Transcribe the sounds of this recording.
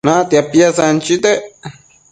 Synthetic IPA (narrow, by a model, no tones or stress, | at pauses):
nat̪iapːjasant͡ʃit̪e